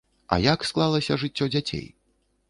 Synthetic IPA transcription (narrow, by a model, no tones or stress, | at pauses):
ɐ̰jaksklˠalˠɐsʲɐʐɨt͡sʲːɔd͡zʲat͡sʲḛj